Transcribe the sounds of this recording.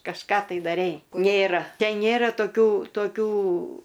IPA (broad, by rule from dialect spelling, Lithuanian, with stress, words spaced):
kɐʃˈkɑː tɐɪ dɐˈrʲɛɪ ˈnʲeːrɐ ˈtʲɛn ˈnʲeːrɐ toːˈkʲuː toːˈkʲuː